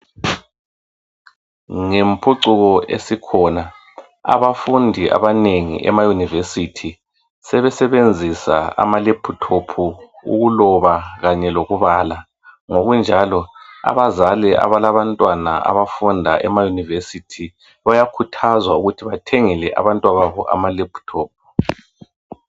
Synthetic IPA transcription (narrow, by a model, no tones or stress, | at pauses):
ŋempʰuǀuɣɔḛsikʰɔna | a̰βafundʱiʔa̰βaneŋḭʔɛ̰majunivesitʰi | sɛβɛsɛβend͡zʱisa̰a̰malepʰutʰopʰuṵɣulɔβaɣaɲɛloɣuβaːla | ŋoɣund͡ʒʱalɔa̰βazalɛʔa̰βalaβantʼwanaʔa̰βafundʱaʔɛmajunivesitʰi | βajakʰutʰazwauɣutʰiβatʰeŋilɛʔa̰βantʼwaβaβɔ̰ʔa̰malepʰu̥tʰoːp̚ʰu̥